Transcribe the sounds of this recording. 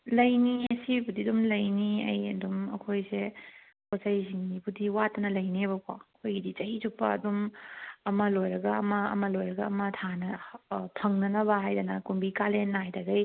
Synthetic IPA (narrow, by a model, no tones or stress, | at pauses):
lɐjniɐsibudidumlɐjniɐ̰jɐ̰dumɐ̰kʰojse | kʰosɐjsiŋdibʰudiwatːɐnɐlɐjnebɐkʰwa̰kʰojɡidit͡ʃɐizupːɐ̰ɐ̰dumɐmɐlojɾɐɡɐːmɐːmɐlojɾɐɡɐɐmɐtʰanɐpʰɐŋnɐnɐbɐɦajdɐnɐkumbikalenːɐɦajdɐɡɐj